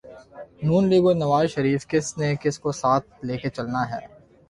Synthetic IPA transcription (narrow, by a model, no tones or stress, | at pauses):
nuːnliːɡonɐʋaːzʃɐɾiːfkɪsnekɪskosaːt̪̚ʰleːket͡ʃɐlnaɦɛ̰ː